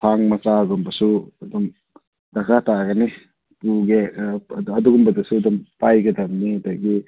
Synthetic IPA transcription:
tʰaŋmat͡ʃaɡɔmbɐsudɔm | dakʰataɡani | puɡe | ɐduɡumbɐdasuɐdɔmpajɡɐdɐmniadaɡi

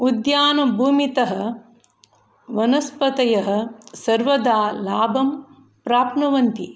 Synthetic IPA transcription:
ud̪jaːnɐbʱuːmit̪ɐɦɐ̆ | ʋɐnɐspɐt̪ɐjɐɦɐ̆sɐɾʋɐd̪aːlaːbɐm | pɾaːpnɐʋɐnt̪i

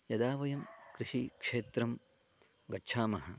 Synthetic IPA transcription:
jɐd̪aːʋɐjɐmkɾiʂikʂeːt̪ɾɐm | ɡɐtːt͡ʃʰaːmɐɦɐ

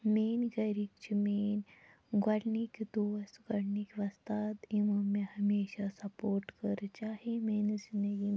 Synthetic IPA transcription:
meːnɡɐɾikt͡ʃimeːn | ɡɐɽnikʲd̪oːsɡɐɽnikʲʋɐst̪aːt̪imɐmihɐmeːɕasɐpoːɾʈkəɾt͡ʃaːɦimeːnzind̪əɡi

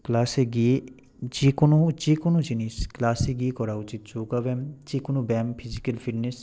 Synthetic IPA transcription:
klaːseɡi | t͡ʃikonot͡ʃikonud͡ʒinisklaːseɡikɔɾaut͡ʃit̪̚t͡ʃoːɡaʋɛmt͡ʃikunubɛmpʰizikɐlfʰiʈnes

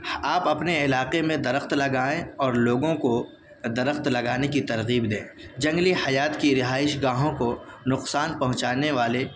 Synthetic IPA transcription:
aːpɐpneɪlaːqemẽd̪ɐɾəxt̪lɐɡaːẽɔːɾloːɡõko | d̪ɐɾəxt̪lɐɡaːnekit̪ɐɾɣiːbd̪ẽː | d͡ʒɐ̃ŋɡlihɐjaːt̪kiɾɪɦaːɪʃɡaːɦõkonʊqsaːnpɐɦʊ̃t͡ʃaːneʋaːle

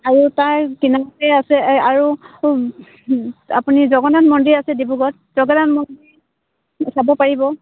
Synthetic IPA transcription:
aɹutaɹkinamatɛasɛaɹu | a̰punizɔɡɔnanmɔndiasɛdibuɡɔt̚ | zɔɡɔnanmɔndiɹ | sabɔpaɹibɔ

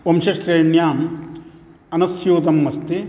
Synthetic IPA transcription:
ʋɐmʃɐʃɾeːɳjaːm | ɐnɐsjuːt̪ɐmːɐst̪i

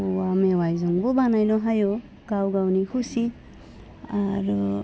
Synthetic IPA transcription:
ɔwamewajzɔŋbɔbanajnɔɦajɔ | ɡ̥awɡawnikʰusi | aɾɔ

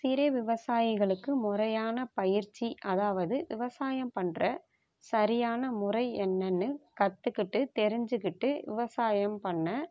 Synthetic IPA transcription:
sɪɾɐʋɪʋɐsaːjɪɣɐɭɯkːɯmʊrɐjaːnɐpɐjɪɾt͡ʃːiʔɐðaːʋɐðɯʋɪʋɐsaːjɐmpɐɳrɐ | sɐɾɪjaːnɐmʊrɐɪɛnːɐnːɯkɐt̪ːɯkːɪʈːɯt̪ɛɾɪɲd͡ʒɯkːɪʈːɯʋɪ̰ʋɐsaːjɐmpɐɳːɐ

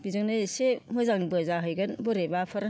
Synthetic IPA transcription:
bizɯŋnɯjsemɯzaŋbɯzaɦɯjɡɐnboɾebapʰɐɾ

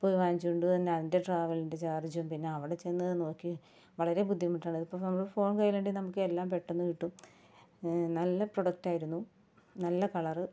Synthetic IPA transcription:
poːjʋaːɲd͡ʑiuɳɖut̪ɐnːe̞ɐðinde̞ɖraːʋɐlindet͡ɕaːrit͡ɕːuumpinːe̞ɐʋiɽe̞t͡ɕe̞nːɐðɨno̞ːkːi | ʋɐɭɐɾe̞bud̪ʱːjɐmːiʈːaːɳɨðipːoːnɐmːɐkːfo̞ːɳkɐjileɳɖinɐmukːɨelːaːmpe̞ʈːonːuʋiʈːum | nɐlːɐpro̞ɽɐk̚ʈaːjiɾunːu | nɐlːɐkɐɭɐrɨ

